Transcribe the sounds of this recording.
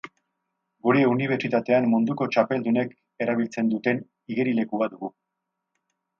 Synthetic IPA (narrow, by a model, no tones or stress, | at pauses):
ɡuɾeuniβ̞e̞ɾt͡ʃit̪at̪e̞amːund̪uko̞t͡ʃape̞ld̪une̞k | e̞ɾaβ̞ilt͡se̞nd̪ut̪e̞n | iɣe̞ɾile̞kuaðuɣu